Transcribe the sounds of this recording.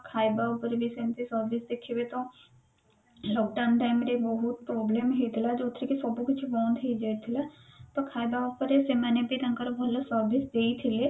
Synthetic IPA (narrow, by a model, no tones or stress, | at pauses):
kʰaːibaːʊpəɾbisemt̪isəɾbɪsd̪eːkʰːeːbet̪õː | lɔːk̚ɖaːnʈaːɪmɾebəɦʊt̪̚pɾɔːbleːmɦeːt̪ʰɪlaːd͡ʒoːt̪ʰːɾekisəbukʊt͡ʃʰbãːnd̪ɦed͡ʒaːit̪ʰɪlɛːt̪əkʰaːjbaʊpəɾesemɛ̃ːnepit̪ə̃ŋkəɾbəlːəsəɾbɪsd̪eːit̪ʰɪleː